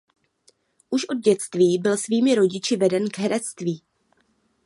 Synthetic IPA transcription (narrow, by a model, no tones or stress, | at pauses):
ʔuʃʔo̞d̚ɟɛt͡st̪viːbɪlsviːmɪɾo̞ɟɪt͡ʃɪvɛdɛnɡɦɛɾɛt͡st̪viː